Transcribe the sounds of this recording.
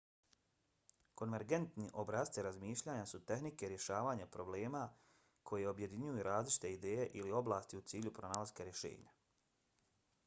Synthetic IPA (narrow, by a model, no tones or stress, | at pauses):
ko̞nʋe̞ɾɡe̞nt̪niʔo̞bɾaːst̪siɾazmiːʃʎaːɲasut̪e̞xnike̞ɾje̞ʃaːʋaːɲapɾo̞ble̞ːma | kʰo̞jeo̞bje̞d̪iɲujuɾʔaːzlit͡ʃi̥t̪e̞id̪e̞ːjeʔilio̞blaːst̪iut̪siːʎupɾonaːlaz̥kaɾje̞ʃḛːɲa